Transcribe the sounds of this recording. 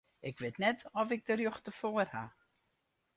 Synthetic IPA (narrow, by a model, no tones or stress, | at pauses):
ʔɪkʋɪtnɛtʰɔfɪk̚dərjoxtəfoːərha